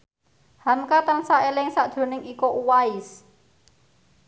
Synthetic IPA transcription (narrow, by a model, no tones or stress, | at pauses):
hamkat̪ənsaʔelɪŋsaʔd̪̥o̤nɪŋikɔʔuwaɪs